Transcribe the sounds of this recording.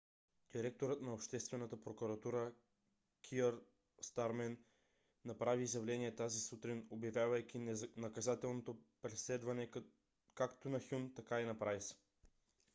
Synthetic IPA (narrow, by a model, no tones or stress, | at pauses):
d̪̥iɾɛk̚t̪oɾət̪nɐopʃt̪ɛst̪vɛnət̪əpɾokuɾɐt̪uɾə | kʰiəɾ | st̪aɾmɛnː | ɐpɾaviːzjɐvlɛniɛt̪azisut̪ɾinobjɐvʲjavəjkʲinɐkɐzat̪ɛlˠnot̪opɾɛslɛd̪vɐnɛ | kakt̪onɐxʲunt̪ɐkainɐpɾavis